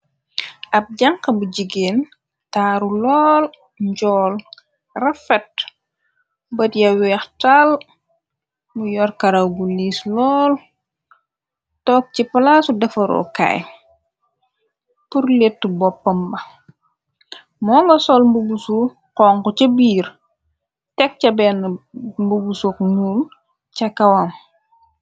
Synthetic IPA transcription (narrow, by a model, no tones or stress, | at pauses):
ɐp̚ɟaŋkɐbuɟiɡeːn | taːɾulɔːl | ɲɟɔːl | rɐfɛt̚ | bɐtjɐwɛxtal | mujɔrkɐɾɐwɡuliːslɔːl | tɔːk̚cipɐlaːsudɛfɐɾɔ̰ka̰ːj | purletːubɔpːɐmbɐ | mɔːŋɡɐsɔlmbuɡusu | qɔːŋkucɐbiːr | tɛk̚cɐbɛːnːmbuɡusukɲul | cɐkɐwɐm